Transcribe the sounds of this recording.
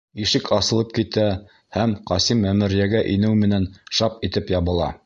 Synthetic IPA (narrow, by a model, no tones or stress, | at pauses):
iʃɘkʰɑsɤ̆lˠɤp̚kit̪æ | hæmqɑsimːæmɘ̆ɾjæɡæʔinɘwmɘ̆nænʃɑpit̪ɘpjɑβɤ̆lˠɑ̰